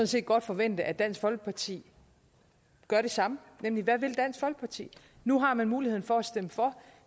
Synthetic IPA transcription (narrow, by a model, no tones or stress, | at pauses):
sɔ̽n̩se̝̰ːd̥ɡ̥ɒ̽d̥fɒ̽ʋen̰d̥əʔæd̥æn̰sɡ̥fɒ̽lɡ̥ə̥pʰɑ̈t͡sʰḭː | ɡ̥ɶɐɾ̥e̝sɑ̈mə | nemliʋæʋe̝ld̥æn̰sɡ̥fɒ̽l̰ɡ̥ə̥pʰɑ̈t͡sʰḭː | nuɦɑ̈mænmuːlihe̝ð̰ˠn̩fɒ̽æsd̥eməfɒ̽